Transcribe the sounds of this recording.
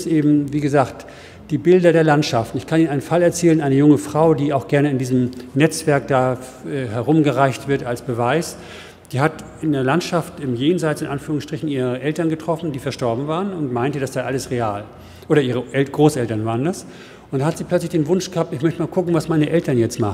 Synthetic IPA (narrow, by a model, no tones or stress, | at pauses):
stʔeːbm̩viːɡəzaːkt | d̥iːbɪldɐdeːɐlantʃaftn̩ɪçkʰaniːnaɪnənfalɛɐt͡sɛːlənʔaɪnəjʊŋəfʁ̥aʊdiːaʊxɡ̥ɛɐnəɪndiːzəmnɛt͡sv̥ɛɐk̚d̥aːʔɛːɦɛɐʁʊmɡəʁaɪçtv̥ɪɐtalsb̥əvaɪs | d̥iːɦat | ɪndeːɐlantʃaftɪmjeːnzaɪt͡sɪnʔanfyːʁʊŋsʃtʁ̥ɪçn̩ʔiːʁəʔɛltɐnɡətʁ̥ɔfn̩diːfɛɐʃtɔɐbm̩vaːʁənʊntmaɪntəd̥asd̥aːʔaləsʁeaːl | ʔoːɾɐʔiːʁ̞əʔɛɡ̥ʁoːsɛltɐnvaːʁ̞əndas | ʊntdanhatz̥iːpl̥œt͡slɪçd̥eːnvʊnʃɡ̥əhaːp̚tɪçmœçtəmaːlkʰʊkŋ̩vasmaɪnəʔɛltɐnjɛt͡stmaχnn